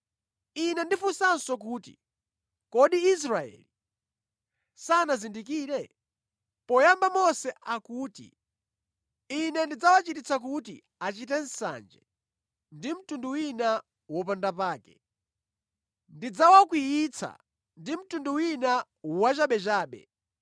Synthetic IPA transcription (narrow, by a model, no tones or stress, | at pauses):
inɛndifusansɔkuːtḭ | kɔɗiːs̬ɾaɛ̰li | sanazindikiːɾɛ | pɔjambamɔsɛʔakuːtḭ | inɛndid͡zawat͡ʃitit͡sʰak̬utḭ | at͡ʃit̬ɛn̩sa̰nd͡ʒɛ̰ | ndim̩tunduwina | wɔp̬andapaːkɛ̰ | ndid͡zawakwijit͡sʰa̰ | ndim̩tunduwina | wat͡ʃaɓɛt͡ʃaːɓɛ̰